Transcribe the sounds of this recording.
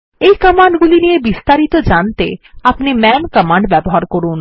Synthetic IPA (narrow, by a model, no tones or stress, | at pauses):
ejkʌmaɳɖɡulinijebist̪aɾit̪od͡ʑant̪eapnimɛnkʌmaɳɖbɛboɦaɾkoɾun